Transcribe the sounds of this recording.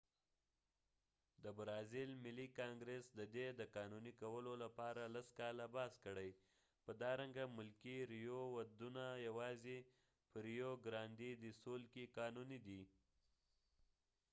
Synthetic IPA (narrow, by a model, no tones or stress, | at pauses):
d̪əbɾɑzɪlmɪlikɑŋɡɾesd̪əd̪ed̪əkɑnunikawəlolapɑɾalaskɑlabɑskəɽəj | pəd̪ɑɾaŋɡamʊlkiɾijowad̪unajawɑze | pəɾijoɡɾɑnd̪id̪isolkekɑnunid̪i